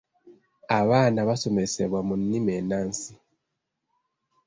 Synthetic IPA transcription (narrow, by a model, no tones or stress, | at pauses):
aβaːnaβaso̞mese̞βwamunːimeːnaːnsi